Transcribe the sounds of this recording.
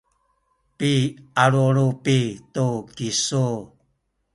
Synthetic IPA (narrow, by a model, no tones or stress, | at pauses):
piaɾuɾupituɡisu